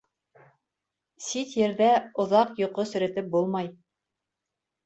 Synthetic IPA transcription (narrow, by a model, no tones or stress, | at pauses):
sit̪jɘ̆ɾðæŏðɑqjŏqosɵ̆ɾæt̪ɘp̚bulˠmɑj